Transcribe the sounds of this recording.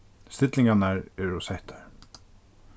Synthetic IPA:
st̪ɪt̪lɪ̃ŋkanaɹɛːɹusɛht̪ḁɹ

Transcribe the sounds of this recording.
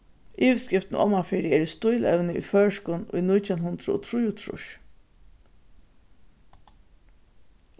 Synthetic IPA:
ʔiːʋskɪft̪nʔɔ̰mafɪːɾɪɛːɾist̪ʊjlɛ̰wnɪṵjfœːʂkʊnʊ̰jnʊjt̪ʰjanhʊnd̪ɾʊ̰ɔ̰t̪ʰɾujʊt̪ʰɾʊ̰ʃ

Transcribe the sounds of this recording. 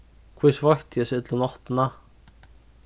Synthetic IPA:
kʰvɪsvajht̪jɛsʏt̪lʏnɔht̪na

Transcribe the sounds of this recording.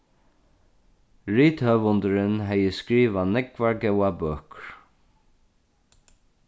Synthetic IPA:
ɹiːt̪hœːʋʊnd̪əɾɪnɦɛjəskɹiːʋanɛkvaɹɡɛwabœːkɹ

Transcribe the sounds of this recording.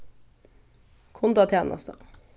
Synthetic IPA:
kʰʊnd̪ɑːt̪ʰeːnɑ̰st̪ə̰

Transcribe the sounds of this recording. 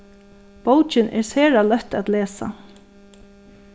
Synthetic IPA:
powt͡ʃɪnʔɛ̰ɹseːɹalœt̪at̪leːsa̰

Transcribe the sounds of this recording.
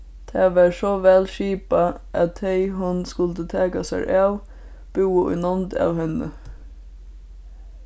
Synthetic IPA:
t̪ʰæːʋɑːɾʃɔʋɛlʃiːpɑʔɑt̪heɪɦʊnskʉlt̪ət̪ʰɑːkɑsæ̰ɾʔɑːʋ | b̥ʉːəʔʏ̰nɔnd̪ɑ̰ːʋhɛnə̰

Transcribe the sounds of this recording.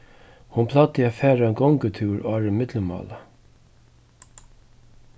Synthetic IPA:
hʊnpʰlɑt̪ɪaːfæːɾaɛnɡɔŋkət̪ʰʉːɾʔɑːɾɪmɪt̪ləmɑ̰ːla

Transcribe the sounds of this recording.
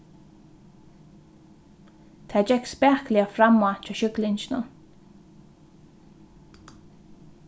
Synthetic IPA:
t̪ʰaːd͡ʒɛkspɛːklɪafɾamat͡ʃaːʃʏklɪɲt͡ʃnə̰

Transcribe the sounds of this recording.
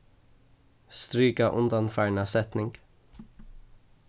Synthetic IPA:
st̪ɾyːkaʔʉnd̪ɑnfæːɳɑsɛt̪nɪŋɡ̥

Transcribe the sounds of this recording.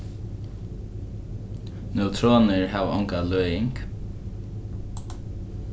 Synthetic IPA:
nœwt̪ʰɾɔːnəɹɦaːʋaɔŋkalœːjɪŋk

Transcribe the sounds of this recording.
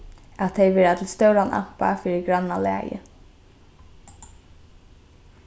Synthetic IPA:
at̪ʰːɛɪjʋɛːɹat̪ʰɪlst̪œwɾanʔa̰m̥pa̰fiːɹɪɡɹanːalæ̰ːjə̰

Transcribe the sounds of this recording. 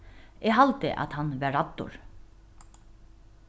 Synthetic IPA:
ɛɦalt̪ɪ̰ʔa̰t̪hanːʋæːat̪ːʊ̰ɹ

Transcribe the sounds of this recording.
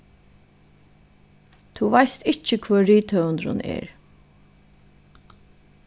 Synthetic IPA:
t̪ʰuvajst̪ɪht͡ʃəkʰvœːiːt̪ʰœənd̪ɾʊ̰nɛ̰ːɹ

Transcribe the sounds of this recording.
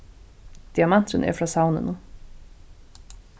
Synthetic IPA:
d̪̥iamant̪ɾənʔɛ̰fɾasawnə̰nu

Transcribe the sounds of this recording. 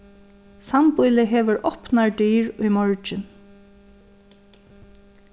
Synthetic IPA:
sampʊjlɪɦeːʋɪɹʔɔpnaɹɖyːɹʊjmɔɹt͡ʃɪn

